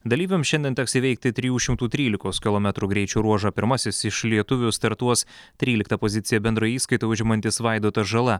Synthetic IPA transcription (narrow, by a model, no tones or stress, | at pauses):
d̪ɐlʲiːʋʲɛmsʃʲɛnd̪ʲiɛnt̪ʲɛksiːʋɛɪk̚t̪ʲɪt̪ʲɾʲɪjuːʃʲɪmt̪uːt̪ʲɾʲiːlʲɪkoːskʲɪlˠɔːmʲɛt̪ɾuːɡɾʲɛɪt͡ʃʲuːɾuɔʒɐpʲɪɾmɐsʲɪsɪʃlʲiɛt̪ʊʋʲʊst̪ɐɾt̪uɔst̪ʲɾʲiːlʲɪkt̪ɐpoːzʲɪt̪sʲɪjɛbʲɛnd̪ɾɐjiːskɐɪt̪oʊʒʲɛmɐnʲt̪ʲɪsʋɑɪd̪oːt̪ɐʒɐlˠɐ